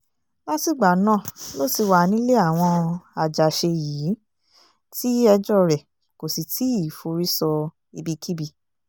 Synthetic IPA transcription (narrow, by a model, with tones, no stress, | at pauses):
la˦ti˦˨ɡ͡ba˨nã˦˨lo˦ti˧wa˧˨nĩ˦le˦a˦˨w̃ɔ̃˧a˨d͡ʒa˨ʃe˧jiː˨˦ | ti˦ɛ˧d͡ʒɔ˦˨ɾɛ˨ | ko˨si˨tʰi˨˦i˦˨fo˧ɾi˦sɔ˧ | i˧bi˧kʰi˦bi˧